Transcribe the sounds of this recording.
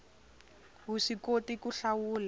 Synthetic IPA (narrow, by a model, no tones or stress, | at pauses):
ɦuʂikotikuɬawuːla